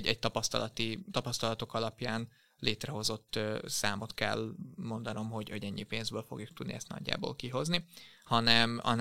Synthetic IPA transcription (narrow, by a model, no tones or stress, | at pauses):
ɟɛɟt̪ɒpɒst̪ɒlɒt̪it̪ɒpɒst̪ɒlɒt̪o̞kɒlɒpjaːn | leːt̪rɛɦo̞zo̞t̪ːsaːmo̞t̪kɛ̰lmo̞nd̪ɒno̞mɦo̞ɟoɟɛɲːipeːnzbøːlfo̞̰ɡjuk̚t̪ud̪nḭɛst̪nɒ̰ɟːa̰ːbo̰ːlkiɦo̞znihɒnɛmɒ̰n